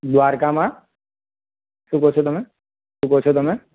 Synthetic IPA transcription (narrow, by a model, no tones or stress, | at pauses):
d̪waːɾkamã | ʃukot͡ʃʰet̪ʊmẽ | ʃukot͡ʃʰet̪omẽ